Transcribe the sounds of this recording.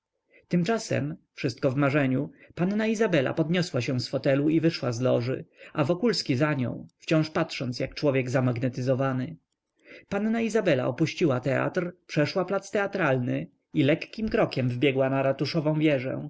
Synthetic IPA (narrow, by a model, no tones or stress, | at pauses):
t̪ɘmt͡ʂasɛ̰mfʂɘst̪̚kɔvmaʐɛɲupannaizabɛla̰pɔd̪ɲɔswaɕɛ̃w̃sfɔt̪ɛluivɘʂwazlɔʐɘ̰ʔavɔkulskʲizaɲɔ̰̃w̃ft͡ɕɔ̃w̃ʂpatʂɔnt̪sʲjak̚t͡ʂwɔvʲjɛɡzamaɡnɛt̪ɘzɔvanɘ | panːaizabɛla̰ʔɔpuɕt͡ɕiwat̪ɛa̰t̪ɾpʂɛʂwaplat̪st̪ɛat̪ɾalnɘ | ilɛkːʲimkɾɔkʲɛmvbʲjɛɡwanaɾat̪uʂɔvɔ̃w̃vʲjɛʐɛ̰̃